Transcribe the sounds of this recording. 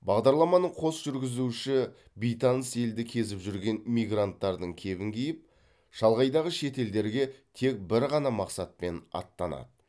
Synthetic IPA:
bɑʁd̪ɑɾlˠɑmɑnəɴqʰo̞sʒʏɾɡʲɪzuʃɪ | bijt̪ɑnəse̞ld̪ɪkʲʰe̞zɪpʒʏɾɡʲe̞nmijɡrant̪ːɑɾd̪əɴkʲʰe̞βɪŋkʲʰijɪp̚ | ʒ̥ɑlˠʁɑjd̪ɑʁəʃe̞t̪e̞ld̪e̞ɾɡʲe̞t̪ʰe̞k̚bɪɾʁɑnɑmɑqsɑt̪̚pe̞nɑ̰t̪ːɑnɑ̰d̪ə

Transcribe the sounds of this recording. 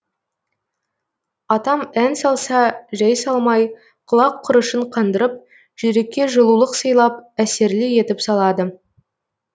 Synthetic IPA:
ɑt̪ɑmænsɑlˠsɑʒæjsɑlˠmɑj | qʰʊlˠɑqʰːʊɾəʃəɴqʰɑnd̪əɾəp̚ | ʒ̥eɾe̞kʲːe̞ʒəlˠulˠəqsəjlˠɑp̚æse̞ɾlɪje̞t̪ɪpsɑlˠɑd̪ə

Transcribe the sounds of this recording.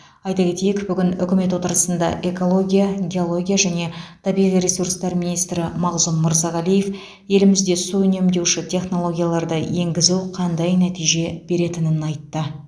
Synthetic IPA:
ɑjt̪ɑkʲe̞t̪e̞jɪkbʏɡʲɪnʏ̰kʲɪme̞t̪wo̞t̪əɾəsənd̪ɑ̰ʔe̞ko̞lˠo̞ɡʲijaɡʲeo̞lˠo̞ɡʲijaʒæne̞t̪ʰɑbijʁijɾe̞surst̪ɑɾmijnijst̪ɾɪmɑʁzʊmmʊɾzɑʁælije̞f | je̞lɪmɪzd̪e̞suʏne̞md̪e̞wʃɪt̪ʲʰe̞χno̞lˠo̞ɡʲijalˠɑɾd̪əje̞ŋɡʲɪzuwqʰɑnd̪ɑjnæt̪ijʒe̞b̥e̞ɾe̞t̪ɪnɪnɑjt̪ːə

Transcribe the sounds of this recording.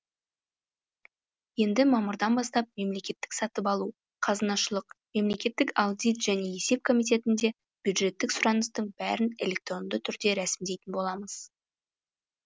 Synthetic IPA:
je̞nd̪ɪmɑmʊɾd̪ɑnbɑst̪ɑp̚me̞mle̞kʲe̞t̪ːɪ̥ksɑt̪əpɑlˠu | qʰɑzɑnɑʃəlˠəqme̞mle̞kʲe̞t̪ːɪkawd̪ʲijt̪ʒ̥æne̞je̞se̞p̚kʰo̞mijt̪̬e̞t̪ɪnd̪e̞ | b̥jud̪ʒe̞t̪ːɪksʊɾɑnəst̪əɴbæ̰ɾɪne̞lʲe̞k̚t̪ro̞nd̪ət̪ʰʏɾd̪e̞ɾæsɪmd̪e̞jt̪ɪnbo̞lˠɑməz̥

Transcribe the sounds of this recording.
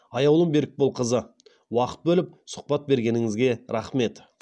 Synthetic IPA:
ɑjɑwlˠəmbe̞ɾɪk̚bolˠqʰəzə | wɑqə̥t̪̚bɵlɪp̚sʊ̥q̚pɑt̪̚be̞ɾɡʲe̞nɪŋɪzɡʲe̞ɾɑχme̞t̪

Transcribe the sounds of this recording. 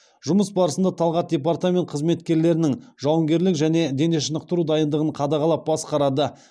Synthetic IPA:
ʒʊməsbɑɾəsənd̪ɑt̪ʰɑlˠʁɑt̪̚d̪ʲe̞part̪amʲe̞nt̪̚qʰəzme̞t̪kʲe̞ɾle̞ɾɪnɪŋʒɑwəŋɡʲe̞ɾlɪkʒæne̞d̪e̞ne̞ʃənəqt̪əɾud̪ɑjənd̪əʁəɴqʰɑd̪ɑʁɑlˠɑp̚bɑsqɑɾɑd̪ə

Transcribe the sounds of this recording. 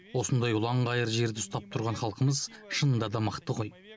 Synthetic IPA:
wo̞sənd̪ɑjʊlˠɑɴʁɑjəɾʒe̞ɾd̪ɪʊst̪ɑp̚t̪ʰʊɾʁɑɴχɑlˠqəməzʃənənd̪ɑd̪ɑməqt̪əqo̞j

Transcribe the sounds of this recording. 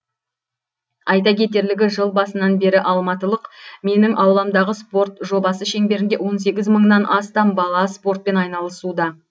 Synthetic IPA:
ɑjt̪̬ɑkʲe̞t̪e̞ɾlɪɡʲɪʒəlˠbɑsənɑnbe̞ɾɪʔɑlˠmɑt̪əlˠəqme̞nɪŋʔɑwlˠɑmd̪ɑʁəspo̞ɾt̪ʒo̞bɑsəʃe̞ŋbe̞ɾɪnd̪ewo̞ns̬e̞ɡʲɪzməɴnɑnʔɑst̪ɑmbɑlˠɑspo̞rt̪̚pe̞nɑjnɑlˠəsud̪ɑ

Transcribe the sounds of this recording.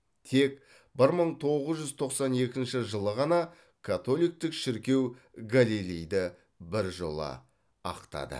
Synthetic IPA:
t̪ʰe̞k | bɪɾməɴt̪ʰo̞ʁəzʒʏzt̪ʰo̞qsɑne̞kʲɪnʃɪʒəlˠəʁɑnɑ | kʰat̪o̞lˠijk̚t̪ɪkʃɪɾkʲe̞w | ɡalilijd̪ɪ | bɪɾʒo̞lˠə̰ | ɑ̰qt̪ɑ̰d̪ə̰

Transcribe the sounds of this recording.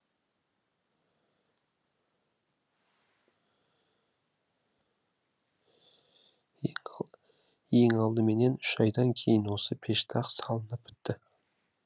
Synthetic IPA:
je̞ŋɑlˠd̪əme̞ne̞nʏʃɑjd̪ɑŋkʲʰe̞jɪnwo̞səpʰe̞ʃt̪ʰɑqsɑlˠənəpːʏ̥t̪ːɪ

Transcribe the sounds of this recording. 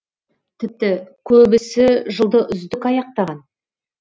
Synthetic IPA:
t̪ʰɪp̚t̪ɪkʲʰɵbɪsɪʒəlˠd̪əʔʏzd̪ɪkɑjɑq̚t̪ɑʁɑn

